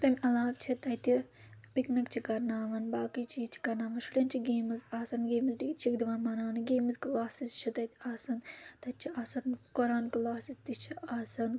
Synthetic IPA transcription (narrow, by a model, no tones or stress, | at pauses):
t̪ɐmʲʔɐlaːʋt͡ʃʰit̪ɐjt̪ipiknɐkt͡ʃʰikɐɾnaːʋɐnbaːkit͡ʃʰit͡ʃʰi̥kɐɾnaːʋɐnʃulʲɐnt͡ʃʰiɡeːmɨzaːsɐnɡeːmɨzɖikt̪t͡ʃʰikd̪iʋaːnmaːnaːnɨɡeːmɨzɡlaːsizt͡ʃʰit̪ɐt̪ʲiaːsɐnt̪ɐt̪̚t͡ʃʰiʔaːsɐnkɐɾaːnɡlaːsizd̪it͡ʃʰiaːsɐn